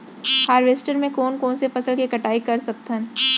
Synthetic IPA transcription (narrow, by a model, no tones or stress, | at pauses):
haːɾʋeːsʈəɾmẽkoːnkoːnsefɐsəlkikɐʈaːikɐɾsɐk̚t̪ʰən